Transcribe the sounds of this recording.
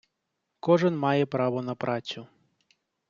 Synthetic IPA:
kɔʐɪnmɑjɛpɾɑʋɔnɐpɾʔɑt͡sʲʊ

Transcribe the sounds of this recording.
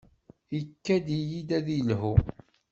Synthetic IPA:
ikːæd̪ijid̪æðilhu

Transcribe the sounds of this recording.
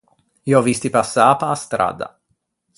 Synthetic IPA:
ioɔvist̪ipasːaːpaːst̪ɾa̰ːd̪a̰

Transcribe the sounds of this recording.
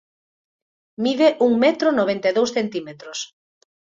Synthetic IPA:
miβeʔuŋmɛt̪ɾonoβ̞ent̪eðowsθent̪imet̪ɾos

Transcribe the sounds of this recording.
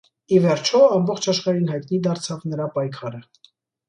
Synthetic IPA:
ivɛɾt͡ʃʰɔɑmbɔχt͡ʃʰɑʃχɑɾinɦɑjt̪nid̪ɑɾt͡sʰɑvnəɾɑpɑjkʰɑɾə

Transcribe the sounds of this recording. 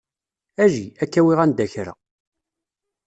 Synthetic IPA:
æʒiækːæwiʁænd̪æçɾæ̰

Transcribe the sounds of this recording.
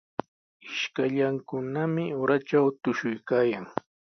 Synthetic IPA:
ɪʃkaʎaŋkʊnamɪoɾaʈ͡ʂawt̪ʊʃʊjkaːjaŋ

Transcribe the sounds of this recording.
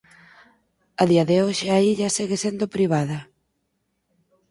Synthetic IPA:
ɐðiɐðeoʃeaiʎɐsiɣesend̪opɾiβaðɐ

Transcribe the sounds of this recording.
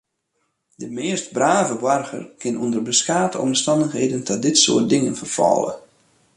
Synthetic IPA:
dəmɪəstbraːvəʋarɣə̰rkʰɪnundərbəskaːtəɔ̰mstɑndəxɦeːdəndɔt̚dɪtso̰ət̚dɪŋənfərfɔ̰lˠə̰

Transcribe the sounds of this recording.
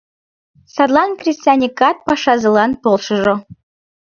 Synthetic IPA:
sɑd̪lˠɑnkrʲisʲt̪ʲanʲikɑt̪̚pɑʃɑzɤ̆lɑnt̪olˠʃɤ̆ʒŏ

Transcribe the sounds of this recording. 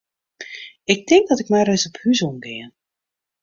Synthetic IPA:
ɪk̚tɪŋɡ̚dɔtɪkmajrɛsɔphyzonɡɪən

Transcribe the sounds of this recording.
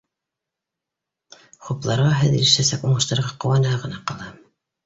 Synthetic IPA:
χuplˠɑɾʁɑɦɘðiiʃæsækuɴɤ̆ʃt̪ɑ̆ɾʁɑqŏwɑnɤɑʁɤ̆nɑqɑlˠɑ

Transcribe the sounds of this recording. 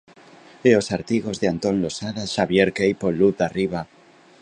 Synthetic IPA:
eosaɾt̪iɣo̞zðeant̪o̞nlosaðaʃaβjeɾkejpoluθðariβa

